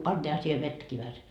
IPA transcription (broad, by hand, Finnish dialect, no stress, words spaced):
pɑntiːhɑ siːhe ʋetːæki ʋæhæse